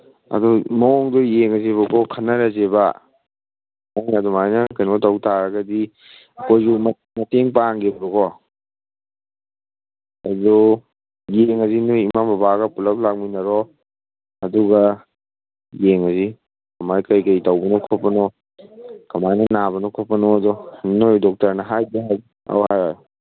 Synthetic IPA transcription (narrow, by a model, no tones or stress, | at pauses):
ɐ̰dumɐɔŋdɔjeŋɦɐzeβɐkɔkʰɐnːɐɾazeba | ajŋadumajnɐkajnɔtawtʰaɾɐɡɐdi | ɐkojzumɐ | mɐteŋpaŋɡebɾɔkʰɔ | adu | jeŋɐzinojimabɐbaɡɐpulɐp̚lak̚minɐɾɔ | ɐduɡɐ | jeŋɐzi | kɐmajkɐjkɐjtawbɐnɔkʰɔpːɐnɔ | kɐmajnɐnaβɐnɔkʰɔpɐnɔɐdɔnojdɔk̚tɐɾnɐɦajbeɦaj | a̰whajaɾ